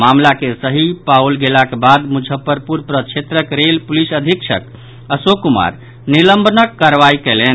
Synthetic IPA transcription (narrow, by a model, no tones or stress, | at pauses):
mamlakesəɦipaulɡelakebad̪mud͡ʒʱəpəɾpuɾpɾət͡ʃʰet̪ɾəkɾelpulisəd̪ʱikt͡ʃʰə̰k | əsokuma̰ɾ | niləmbənəkːaɾʋajkɛlen